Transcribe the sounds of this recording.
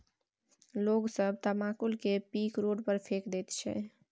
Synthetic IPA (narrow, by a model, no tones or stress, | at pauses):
loːɡsəbt̪əmaːkulkepiːkɾoːɖpəɾpʰeːkd̪eːt̪t͡ʃʰɛ̰